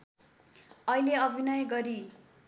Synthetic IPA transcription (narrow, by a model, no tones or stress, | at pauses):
ʌileʌbʱinʌjɡʌɾi